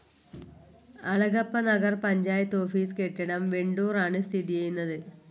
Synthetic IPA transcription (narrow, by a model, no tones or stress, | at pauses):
ɐɭɐɣɐpːɐnɐɣɐrpɐɲd͡ʑaːjɐt̪ːo̞ːfiːskeʈːɐɳɐmʋeɳɖuːraːɳɨst̪ʰiðijejunːɐðɨ